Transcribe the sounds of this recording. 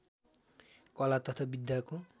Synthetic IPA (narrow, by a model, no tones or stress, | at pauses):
kʌlat̪ʌt̪ʰabid̪jako